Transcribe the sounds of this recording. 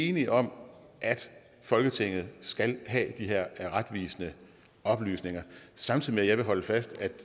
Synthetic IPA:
e̝ːniʔɒ̽m̰ | ʔæd̥ | fɒ̽lɡ̥ət͡sʰe̝ŋ̰ð̞̩ˠsɡ̥ælɦɛ̰ːd̥iɦæɐ̰ʁad̥ʋḭːsənə | ɒ̽b̥ly̰ːsne̝ŋɐsɑ̈mt͡sʰiðˠimeæjɑ̈ɪʋe̝ɦɒ̽ləfæsd̥æd̥

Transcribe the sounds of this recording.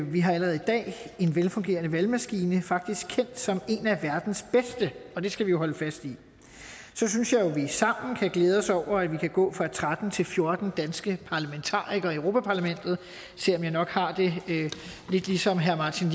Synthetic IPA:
ʋiɦɑ̈ælɐʁɛð̩ˠid̥ɛ̰ːe̝nʋelfɔ̽ŋɡ̥e̝̰ːɐnəʋælmæsɡ̥iːnəfɑ̈ɡ̥̚d̥isɡ̥̚kʰen̰d̥sɒ̽me̝næʋæɐd̥n̩sb̥esd̥əɒ̽d̥e̝sɡ̥æʋijo̝ɦɒ̽ləfæsd̥i | sɒ̽synsjɑ̈ɪjo̝ʋisɑ̈m̰n̩kʰæɡ̥leːð̞ˠɒ̽sɒʊ̰ɐæʋikʰæɡ̥ɔ̰̽ːfʁɑ̈t͡sʰʁad̥n̩t͡sʰe̝lfjo̝ɐd̥n̩d̥ænsɡ̥əpʰɑ̈ːlæment͡sʰɑ̰̈ːiɡ̥ɐøʊʁo̝ːpʰæpʰɑ̈læmen̰d̥ð̩ˠ | sel̰ɒ̽mjɑ̈ɪnɒ̽ɡ̥hɑ̈d̥e̝ | le̝d̥lisɒ̽mɦæɐmɑ̈ːt͡sʰin

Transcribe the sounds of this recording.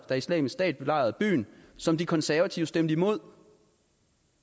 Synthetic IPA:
d̥ɑ̈islɛ̰ːmissd̥ɛ̰ːd̥̚b̥e̝lɑ̈ɪɐð̞̩ˠb̥y̰ːnsɒ̽md̥ikʰɒ̽nsæɐʋæt͡sʰiʊsd̥em̰d̥əimo̝ð̞̰ˠ

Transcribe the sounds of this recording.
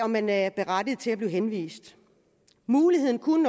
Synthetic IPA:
ɒ̽mːænæb̥e̝ʁad̥ið̩ˠt͡sʰe̝læb̥li̝ːʊɦenʋḭːsd̥ | muːlihe̝ð̞̰ˠn̩kʰunən

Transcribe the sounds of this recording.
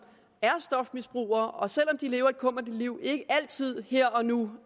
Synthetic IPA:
æɐsd̥ɒ̽fmisb̥ʁṵːɐʔɒ̽sel̰ɒ̽md̥ile̝ːʊɐe̝d̥̚kʰɔ̽m̰ɐd̥əliʊ̰e̝ɡ̥əʔæl̰t͡sʰið̞̰ˠheɐ̰ɒ̽nu

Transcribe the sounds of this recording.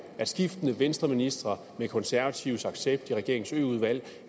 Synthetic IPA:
æ̥sɡ̥ifd̥ənəʋensd̥ʁɐminisd̥ʁɐ | mekʰɒ̽nsæɐʋæt͡sʰiʊsɑ̈ɡ̥seb̥̚d̥iʁɛɡ̥e̝ɐ̰eŋ̩sø̰ːuð̞ˠʋæl̰

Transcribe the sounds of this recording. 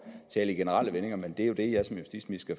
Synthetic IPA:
t͡sʰɛ̰ːləiɡ̥e̝nəʁɑl̰əʋene̝ŋɐmend̥e̝æjo̝d̥e̝jɑ̈ɪsɒ̽mjusd̥ḭːsmisɡ̥æ

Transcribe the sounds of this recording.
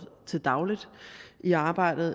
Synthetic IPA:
t͡sʰe̝ld̥ɑ̈ʊlid̥iɑ̈ːb̥ɑ̈ɪ̰d̥ð̩ˠ

